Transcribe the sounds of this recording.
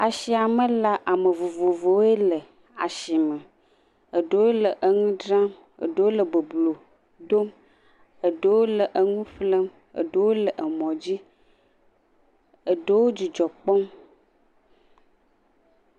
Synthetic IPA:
a˨ʃi˨a˨mə˦la˦ʔa˨mə˨vo˨vo˨vo˨we˦lə˨ | a̰˨ʃi˨mə˨ | ə˨ɖə˦wo˦lə˨ʔə˨ŋũ˦ɖɾa˦m | ə̰˨ɖə˦wo˦lə˨bə˨blo˨ | ɖo˦m | ə˨ɖə˦wo˦lə˨ʔə˨ŋũ˦ɸlə˦m | ə̰˨ɖə˦wo˦lə˨ʔə˨mɔ̃˨d͡ʑi˦ | ə˨ɖə˦wo˦d͡ʑi˨d͡ʒɔ˨k͡pɔ˦m

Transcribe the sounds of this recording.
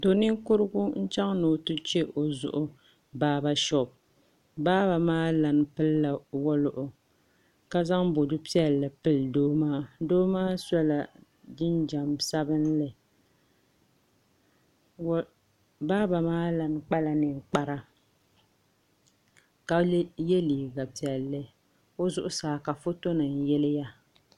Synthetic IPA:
to˨nɨ˦ŋkʊ˦ɾɨ˦ɡʊ˦n̩˦t͡ʃa˦ŋno˨tu˦t͡ʃe˦ʔo˨zʊ̰˦˨ʔʊ˦ | baː˦ba˦ʃɔ˨b̚ | baː˦ba˨maː˦la˨n˨pɨ˦lla˨wɔ˦lʊ˨ʔʊ˨ | ka˦za˦ŋbo˨dʊ˦pi˦ɛ˨llɨ˨pɨ˦ldoː˦maː˦doː˦maː˦sa˦la˨ | d͡ʒɪ˦nd͡ʒa˨msa˦bɨ˦n˦lɨ˨˦ | baː˦ba˨maː˦la˨n˦k͡pa˦la˨nɨ˨ŋ˨k͡pa˦ɾa˦ | ka˨˦jɛ˦liː˨ɡa˨pi˦ɛ˨lːɨ˦ | o˦zʊ˦ʔʊ˦saː˨ka˨fo˦to˦nɨ˨n˨jɛ˦lɪ˦ja˦

